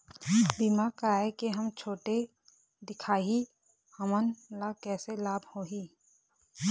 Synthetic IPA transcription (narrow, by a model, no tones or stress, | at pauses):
biːmakəɾaːekeɦəmt͡ʃʰoːʈe | d̪ɪkʰaːɦi | həmənlakɛːselaːbʱhoːɦiː